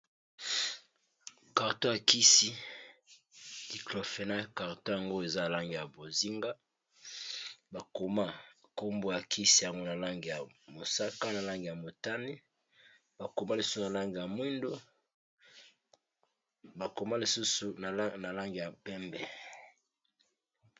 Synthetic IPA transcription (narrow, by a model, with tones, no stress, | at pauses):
ka˨ʁto˦ja˨ki˦si˦ | di˨klo˨fe˨na˦ka˨ʁto˦ja˨ŋɡo˦e˨za˦a˨la˦ŋɡi˨ja˨bo˨zi˦ŋɡa˦ | ba˨ko˨ma˦ko˦mbo˦ja˨ki˦si˦ja˨ŋɡo˦na˨la˦ŋɡi˨ja˨mo˨sa˦ka˦na˨la˦ŋɡi˨ja˨mo˨ta˦ni˦ | ba˨ko˨ma˦li˨su̥˦su˨na˨la˦ŋɡi˨ja˨mwi˦ndo˦ | ba˨ko˨ma˦li˨su˦su˨n˨na˨la˦ŋɡi˨ja˨pɛ˦mbɛ˨